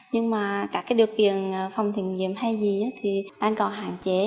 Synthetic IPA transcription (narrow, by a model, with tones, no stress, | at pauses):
ɲɨ˧ŋmaː˨˩kaː˦˥k̚ːaː˨˦jɗi˨˩əwkḭ˧˨ənː˨˩fa˨˩wŋ͡mt̪ʰi˧˨ənɲḭ˧˨əmha˧jzi˨˩ʔaː˨˦t̪ʰi˨˩ɗaː˧ŋkɔ˨˩nɦa̰ː˧˨ŋt͡ɕe˧˩˦